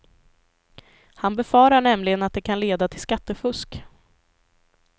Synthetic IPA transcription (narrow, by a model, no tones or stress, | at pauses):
hanbɛfɑːɾaɳɛmlɪɡənat̪̚d̪ɛkʰanleːd̪at̪ʰɪlskat̪ːəfɵsk